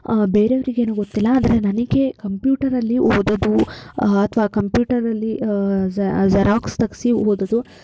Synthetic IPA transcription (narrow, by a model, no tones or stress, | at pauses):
beːɾeɐʋɐɾiɡeːnuːɡot̪ːilːɐːd̪ɐɾe̞nɐnɐɡe̞kɐmpjuːʈɐɾɐlːiɦoːd̪ɐd̪uɐt̪ʰʋaːkɐmpjuːʈɐɾɐlːi | zɐɾaːkst̪ɐɡsiɦoːd̪ɐd̪u